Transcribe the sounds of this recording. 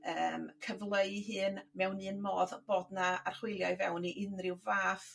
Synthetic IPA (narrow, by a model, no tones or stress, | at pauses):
əːmkʰəvlˠəɨɦɨːnmɛwnɨːnmɔːðb̥oːdnaarχwɪlˠjaɨvɛwniʔɪnrɪwvaːf